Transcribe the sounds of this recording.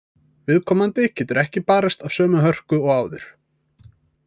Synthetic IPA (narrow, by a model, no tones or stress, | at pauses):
vɪðkʰɔːmant̪ɪcʰɛːt̪ʏɾɛhcɪpaːɾast̪av̥sœːmʏɦœr̥kʏɔɣaːwðʏɾ̥